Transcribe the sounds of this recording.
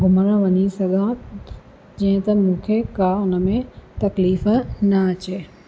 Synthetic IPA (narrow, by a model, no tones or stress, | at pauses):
ɡʱʊməɽ̃ə̃ʋɐɲisɐɡʱãː | d͡ʑɐ̃ɪ̃t̪ɐmũːkʰekaʊnə̆mẽt̪ɐkliːfnɐɐt͡ɕeː